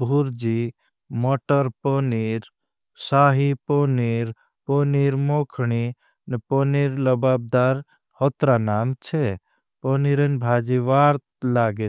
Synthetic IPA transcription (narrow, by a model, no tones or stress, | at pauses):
bʱuɾd͡ʒi | mɔʈəɾpɔniɾ | saːɦiponiɾ | poniɾmoːkʰɳi | nepɔniːɾləbaːb̚d̪aːɾ | hɔt̪ɾanaːmt͡ʃʰe | pɔniɾənbʱad͡ʒiʋaːɾt̪laːɡe